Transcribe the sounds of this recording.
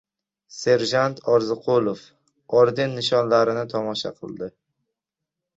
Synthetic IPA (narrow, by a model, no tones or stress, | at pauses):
se̞ɾʒant̪ʰɒɾzɪqʰolˠof | ɒɾd̪ɪnːɪʃɒnlaɾɪnɪt̪ʰɒmɒʃa̰qʰɨlˠd̪ɪ